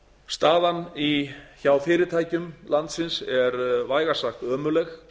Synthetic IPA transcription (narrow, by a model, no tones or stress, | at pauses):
st̪aːðaniçawfɪːɾɪɾt̪ʰaːjcʏmlant̪sɪnsɛɾvaːjɣasaht̪œːmʏlɛx